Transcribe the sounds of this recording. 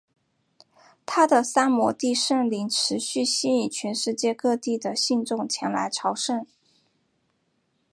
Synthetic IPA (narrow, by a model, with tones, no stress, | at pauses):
t̪ʰa˥d̪ə˨sa˥nmwɔ˧˥t̪i˥˧ʂə˥˩ŋli˧˥ŋʈ͡ʂʰɻ̩˧˥ɕy˥˩ɕi˥˧i˥˩t͡ɕʰɥɛ˧˥nʂɻ̩˥˧t͡ɕjɛ˥˧kɤ˥˧t̪i˥˩d̪ə˩ɕi˥˧nʈ͡ʂʊ˥˩ŋt͡ɕʰjɛ˧˥nla̰˧˥ɪʈ͡ʂʰɑ˧˥ʊʂə˥˩n